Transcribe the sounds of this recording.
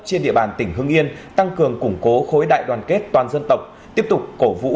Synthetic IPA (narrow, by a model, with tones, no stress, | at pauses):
t͡ɕi˧ənɗḭ˧əɓaː˨˩nt̪ï˧˩ŋ̟ɦɨ˧əŋʔi˧ənt̪a˧ŋkɨ˨˩əŋkʊ˧˩ŋ͡mko˨˦xo˨˦jɗa̰ː˧˨jɗwaː˨˩nke˦˥t̚t̪waː˨˩nzə˧nt̪ə˨˩wk͡p̚t̪i˦˥əp̚t̪ʊ˨˩k͡p̚ko˧˩vṵ˧˥